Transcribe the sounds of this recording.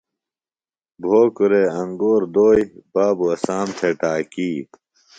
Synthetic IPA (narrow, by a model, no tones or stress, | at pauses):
bʱoːkuɾeːɐŋɡoːɾd̪oːjbaːbuɐsaːmt̪ʰeʈaːkiː